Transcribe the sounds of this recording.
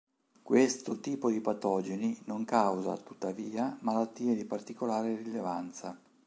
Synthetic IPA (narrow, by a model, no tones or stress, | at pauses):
kwest̪ot̪iːpod̪ipat̪ɔːd͡ʒeninoŋkawza̰t̪u̥t̪ːaviːamalat̪ːiːed̪ipart̪ikolaːɾerilevant̪sa̰